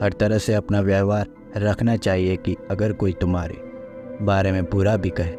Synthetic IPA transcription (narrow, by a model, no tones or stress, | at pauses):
hɐɾt̪ɐɾəɦseɐpnaʋjaːʋaːɾː | ɐkʰnat͡ʃaːɦiekiɐɡəɾkoːit̪ʊmɦaːɾḛ | baːɾemẽpuːɾabʱikɐɦeː